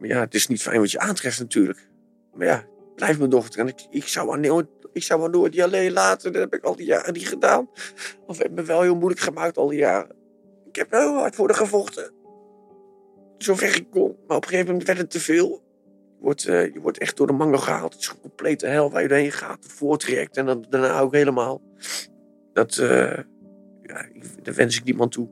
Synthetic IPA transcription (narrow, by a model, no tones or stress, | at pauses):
maja̰ətɪsnitfɛ̰jnʋɔtjəʔaːntrɛftnatʰyːɹlək | maja̰ | b̥lɛjfmədɔχətrɛnɪkɪksawanoɪksawanoːjtdialeːəlaːtəndɔthɛpɪkɑlˠdija̰ːrədiχədaːnɔfhɛ̰b̚məʋɛlˠhɪːlˠmujləkχəmaːk̚tɔ̰lˠdija̰ːrə̰ | ɪkhɛpʋɛlˠɪlˠa̰tfʊːdəχəfɔxtə | zovɛrɪk̚konmaːrɔpəχejvəmɛntʋɛɹtətːəvɪːlˠ | jəʋɔ̰rtjəʋɔ̰rtɛχt̚d̥ʊːdəmɑŋəlχəha̰ːlˠtətɪ̥skɔmplejtəɦɛlˠʋa̰ːrjədoːrhenχa̰ːtəfʊːrtrɛ̰k̚tɛndɔndana̰ːokɦeləmaːlˠ | d̥ɑtə̰ | ja̰da̰ʋɛ̰nsɪk̚dimantʰu